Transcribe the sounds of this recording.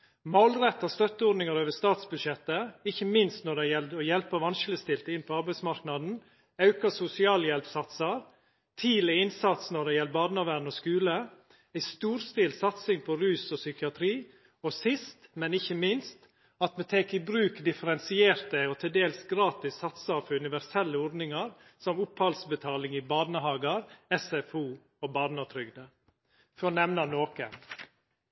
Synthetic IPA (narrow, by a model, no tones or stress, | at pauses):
molɾɛt̪ːɑst̪œt̪ːəɔɖ̪nɪŋɑɾoːʋəst̪ɑːt̪sbʉd̪ʃɛt̪ːəɪçːəmɪnst̪nɔɖ̪æɪjɛld̪ɔjɛlpəʋɑnʃɪləst̪ɪlt̪əɪnpʰɔɑɾbæɪsmɑɾknɑd̪n̩ | ɑʉkɑsʊsɪɑːljɛlpsɑt̪sɑɾ | t̪ʰiːlɪɪnsɑt̪snɔɖ̪ɛɪjɛlbɑːd̪nɑʋæːɳ̩ɔskʉːlə | æɪst̪uːɾst̪ɪlsɑt̪sɪŋpʰɔɾʉːsɔsʏkɪɑt̪ʰɾiː | ɔsɪst̪mɛnɪçəmɪnst̪ | ɑt̪mɛt̪ʰɛːkɪbɾʉːkd̪ɪfəɾɛnsɪeːɾt̪əɔt̪ʰɪld̪eːlsɡɾɑːt̪ɪsːɑt̪sɑɾfɔɾʉnɪʋæɾsɛlːəɔɖ̪nɪŋɑɾ | sɔmʊphɑlsbət̪ʰɑːlɪŋɪbɑːd̪nəɦɑːɡɑɾɛsɛfuː | obɑːd̪nɑt̪ʰɾʏɡd̪ə | fɔnɛʋnɑnoːkə̰n